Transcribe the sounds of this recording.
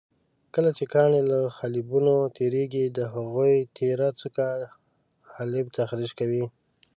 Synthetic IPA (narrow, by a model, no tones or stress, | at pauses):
kəlat͡ʃekɑneləxalɪbunot̪ʰeɾeɡid̪əɦaɣujt̪ʰeɾat͡suka | xalɪb̚t̪axɾiʒkawi